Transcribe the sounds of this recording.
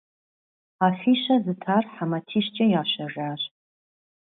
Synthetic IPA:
aːfiːʃɐzɨtʰaːrħamɐtʰiːʃt͡ʃʼɐjaːɕɐraːr

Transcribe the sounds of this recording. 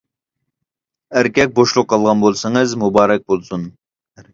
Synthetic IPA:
æɾkʲɛk̚ʲboʃlˠʊqʰːɑlˠʁɑnbolˠsɨŋɨzmubɑːɾɛk̚ʲbolˠsun

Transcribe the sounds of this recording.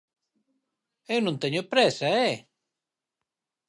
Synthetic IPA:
ewnũnt̪ɛɲopɾɛsaɛ

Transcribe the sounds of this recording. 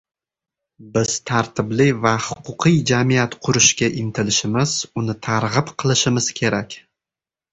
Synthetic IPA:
bɪz̥t̪ʰaɾt̪ʰɪblɪvahʊ̥qʰʊqʰɨjd͡ʒamijat̪qʰʊɾɪʃkʲaʔɪmt̪ʰɪlɪʃɪmɪz̥ʊnɪt̪ʰaɾʁɨpqʰɨlˠɪʃɪmɪz̥kʲʰe̞ɾakʲ

